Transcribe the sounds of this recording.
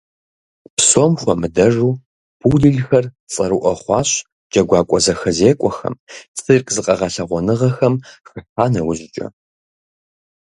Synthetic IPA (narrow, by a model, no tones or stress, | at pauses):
psomxʷɔmɨdɐʐuː | b̥uːɮɨɮxɐr | t͡sʼɐɾuʔɐχʷɑːɕ | d͡ʒɐɡʷɑːkʷʼɔzɐxɐzeːkʷʼɔxɐ̰mt͡sʼɨrqʼzɨqʼɐʁɐɬɐʁʷɔnɨʁɐxɐmxɨħaːnɐwʊʑɪt͡ʃʼɐ̰